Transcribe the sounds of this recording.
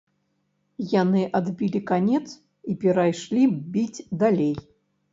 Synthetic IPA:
janɨʔad̪bʲilʲikanʲɛt̪s | ipʲɛɾajʂlʲibʲid͡zʲd̪alʲej

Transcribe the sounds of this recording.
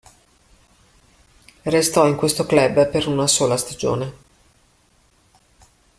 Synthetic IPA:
rest̪ɔiŋkwest̪oklɛbːpeɾunasoːlast̪ad͡ʒo̰ːne

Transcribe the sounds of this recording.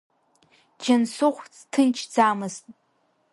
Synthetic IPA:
d͡ʒɪnsʊχʷt͡stʰɨnt͡ʃʰd͡zaːmɨztʼ

